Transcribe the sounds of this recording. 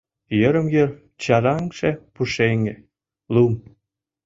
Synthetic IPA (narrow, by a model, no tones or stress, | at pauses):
jə̆ɾə̆mjə̆r | t͡ɕɑɾɑŋʃepuʃeŋe | lum